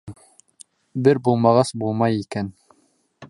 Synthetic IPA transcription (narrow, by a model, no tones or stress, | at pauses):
bɪɾbolˠmɑʁɑsbolˠmɑjikʲæn